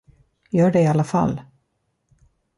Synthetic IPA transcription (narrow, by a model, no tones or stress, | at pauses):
jœːɖɛɪalːafa̰lː